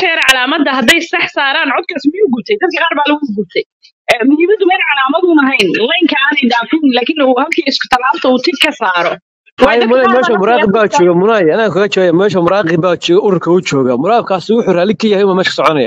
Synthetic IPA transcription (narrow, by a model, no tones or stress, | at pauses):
ʃʰɛɾʕɑlaːmɐd̪ɐɦɐd̪ɛjsɐħsaːɾaːnʕɔd̪̚kʰɐsmɪjuːɡʊb̚t̪ʰɛjd̪ɐd̪̚kʰɐqɑːɾbaːlɐɣuɡʊb̚t̪ʰɛj | ɛːmʊnɪmɐd̪ʊmɛːlʕɑlaːmɐðʊnɐɦɛjnlɛjŋkʰɐnɛjd̪aːfuːnlaːkʰɪnːhɐlkʰiːɪskʰʊ̥t̪ʰɐlaːft̪ʰɐuːt̪ʰɪb̚kʰɐsaːɾɔ | wɑjɛmʊnamɛːʃɐmʊɾɑːqɪbbaːt͡ʃɔːɣɐmʊnajɐnaːkʰɐɣɐt͡ʃɔjamɛːʃɐmʊɾɑːqɪbaːt͡ʃɔːɣɐʔʊɾʊrkʰɐut͡ʃɔːɣɐmʊɾɑːqːb̚kʰaːsɪwʊħuːraːlɪkʰɐjɐhɛjʊmɐmɛːʃkʰɐ̥sɔʕɔnɐja̰ː